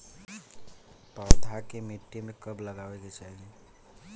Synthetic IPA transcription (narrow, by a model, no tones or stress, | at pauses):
pəd̪ʱakemiʈːimẽkəbləɡaweket͡ʃaɦiɡe